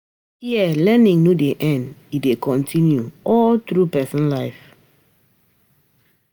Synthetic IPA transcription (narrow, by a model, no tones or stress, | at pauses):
hiəlɛnĩŋnudeʔɛ̃ndidekʰɔ̃ntʰĩnjuʔɔltɾupɛsɔ̃nlaɪf